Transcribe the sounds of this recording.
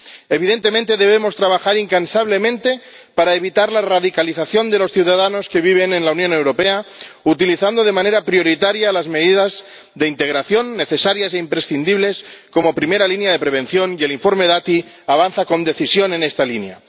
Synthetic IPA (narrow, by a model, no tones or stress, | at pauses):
e̞β̞iðe̞nt̪e̞mẽnt̪e̞ðe̞βemo̞st̪ɾaβaxaɾiŋkansaβle̞mẽnt̪e̞ | paɾaeβ̞it̪aɾlaraðikaliθaθjo̞nd̪e̞lo̞sθjiuwðaðano̞ske̞β̞iβ̞e̞nẽnlaunjõ̞ne̞wɾo̞pe̞aut̪iliθand̪o̞ð̞e̞mãne̞ɾapɾio̞ɾit̪aɾjalazmeðiðaz | ðe̞int̪e̞ɣɾaθjo̞nːe̞θe̞saɾjase̞impɾe̞sθind̪iβle̞sko̞mo̞pɾime̞ɾalinjaðe̞pɾe̞β̞ẽ̞nθjo̞nie̞liɱfo̞ɾme̞ðat̪i | aβ̞anθako̞nd̪e̞θisjo̞ne̞ne̞st̪alinja̰